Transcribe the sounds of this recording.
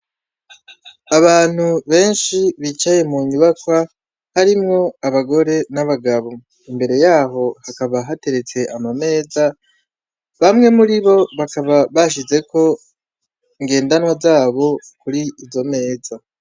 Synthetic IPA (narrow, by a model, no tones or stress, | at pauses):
aβaːn̥huβe̞ːnʃiβit͡ʃaje̞muɲuβakwa | haɾimŋo̞aβaɡo̞ɾe̞naβaɡaβo̞ | imbe̞ɾe̞jaːɦo̞hakaβaɦate̞ɾe̞t͡se̞ʔamame̞ːza | βamŋe̞muɾiβo̞βakaβaβaʃ̬ize̞ko̞ | iŋɡe̞ːndanwazaːβo̞kuɾiizo̞me̞ːza